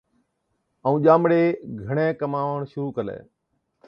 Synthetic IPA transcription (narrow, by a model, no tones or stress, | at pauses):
əũːʄaːmɽeːɡʱəɳẽːkəmaːʋəɳ̃ʃʊɾuːkəlḛː